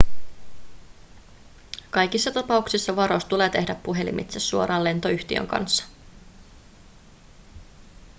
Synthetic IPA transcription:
kɑjkisːɑt̪ɑpɑuksisːɑʋɑɾost̪ule̞ːt̪e̞hdæpːuɦe̞lḭmʔḭt̪sesːuo̞ɾɑːlːe̞nt̪o̞yçt̪iø̰ŋkɑ̰nsːɑ̥

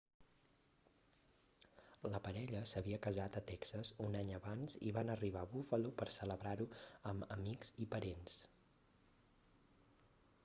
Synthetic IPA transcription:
ləpəɾɛʎəsəβiəkəzat̪ət̪ɛksəzunaɲəβanzḭβanəriβaβufəlopəɾsələβɾaɾuəmə̰mikzipəɾens

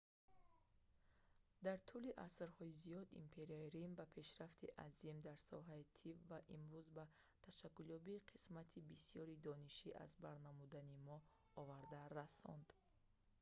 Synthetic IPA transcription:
d̪aɾt̪ʰuliʔasɾhɔizijɔd̪ḭmpʰe̞ɾiaiɾimbapʰe̞ʃɾaft̪ʰiʔazimd̪aɾsɔ̰ɦait̪ʰibvaʔimɾuzba | t̪ʰaʃakːuljɔbiːqʰi̥smat̪ʰibisijɔɾid̪ɔniʃiʔa̰zbaɾnamud̪animɔ | ɔvaɾd̪aɾasɔ̰nd̪̥

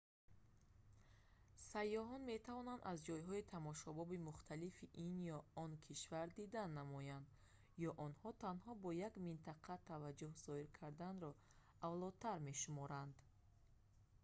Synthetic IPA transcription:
sajːɔɦɔnme̞t̪ʰavɔnand̪azd͡ʒɔjɦɔit̪ʰamɔʃɔbɔbimuχt̪ʰalifiʔinjɔɔnkʰiʃvaɾd̪id̪anːamɔjand̪ | jɔʔɔnhɔt̪ʰanhɔbɔjaɡmint̪ʰaqʰat̪ʰavad͡ʒːuhz̥ɔiɾkʰaɾd̪anɾɔ | avlɔd̪̚t̪ʰaɾme̞ʃumɔɾand̪

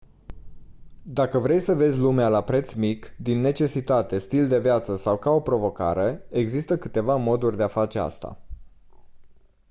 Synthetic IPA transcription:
d̪akəvɾe̞jsəve̞zʲlumealapɾe̞t̪smikd̪inːe̞t͡ʃe̞sit̪at̪e̞st̪ild̪e̞vjat̪səsawkao̞pɾo̞vo̞ka̰ɾe̞eːɡzist̪əkɨt̪e̞vamo̞d̪urʲd̪e̞afat͡ʃe̞a̰st̪a̰

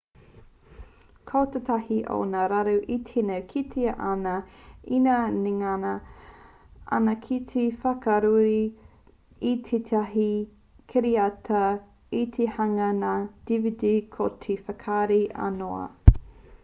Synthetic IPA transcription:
kʰowt̪ətahiʔo̰naɾaɾuʔitʰenɐwkʰitʰiɐʔanɐinaniŋanɐ | ɐ̰nɐkʰitʰifɐkɐɾuɾi | itʰet̪ʰaɦi | kʰeɾiɐtʰɐ | it̪ʰehɐŋɐnaːd̥ividikʰotʰefɐkʰaɾiʔɐ̰noɐ̰

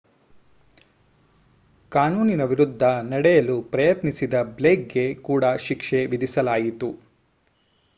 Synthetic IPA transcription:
kaːnuːninɐʋiɾud̪ʱːɐnɐɽɛjɐlupɾɐjɐt̪nisid̪ɐbleːk̚ɡe̞kuːɽɐʃikʂeʋid̪isɐlaːjit̪u

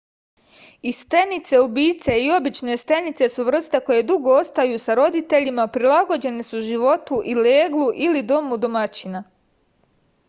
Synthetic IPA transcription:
ist̪enit̪se̞ubiːt̪se̞io̞bit͡ʃne̞st̪enit̪se̞suʋr̩st̪e̞ko̞je̞d̪uɡo̞ost̪ajusaɾo̞d̪it̪e̞ʎimaupɾilˠaɡo̞d͡ʑe̞nesuʒiʋo̞t̪uʔileːɡlˠuʔilid̪o̞mud̪o̞mat͡ɕina

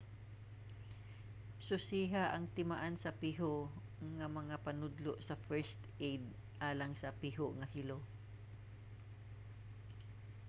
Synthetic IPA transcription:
sʊsiːɦaʔɐŋt̪ɪmaʔansɐpiːɦo | ŋɐmɐŋapɐnʊd̪loʔsɐfɛɹst̪ʔejd̪̚ | ʔaːlɐŋsɐpiːɦoʔŋɐhɪlo

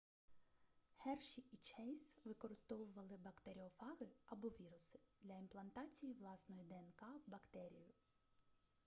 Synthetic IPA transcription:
hɛrʃiit͡ʃɛjsʋɪkɔɾɪst̪ɔʋʊʋɐlˠɪbɐkt̪eɾʲiɔfɑɣɪɐbɔʋʲiɾʊsɪ̥d̪̥lʲɐimplˠɐnt̪ɑt͡sʲijiʋlˠɑsnɔjid̪eenkɑwbɐkt̪ɛɾʲijʊ

